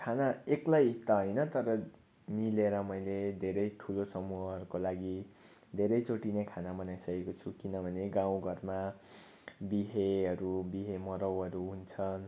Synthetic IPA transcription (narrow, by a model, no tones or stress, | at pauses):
kʰanaeklajt̪ʌɦʌjnʌt̪ʌɾʌ | mileɾʌmʌjled̪ʱeɾʌjʈʰulosʌmuɦʌʌɾukolaɡi | d̪ʱeɾʌjt͡soʈinekʰanabʌnajsʌkekot͡sʰukinʌbʱʌneɡãw̃ɡʱʌrma | biɦeʌɾubiɦemʌɾʌwɦʌɾuɦunt͡sʰʌn